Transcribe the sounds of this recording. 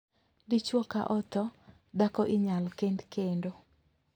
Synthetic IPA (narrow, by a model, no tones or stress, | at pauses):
dɪt͡ʃwɔka̰ʔɔt̪ɔ | dakɔʔɪɲalkendkendo